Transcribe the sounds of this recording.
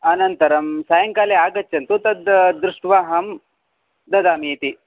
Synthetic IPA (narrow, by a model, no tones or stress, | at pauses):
ɐnɐnt̪ɐɾɐmsaːjɐŋkaːleaːɡɐt͡ʃːɐnt̪ut̪ɐd̪d̪ɾuʂʈʋaːɦɐm | d̪ɐd̪aːmeːt̪i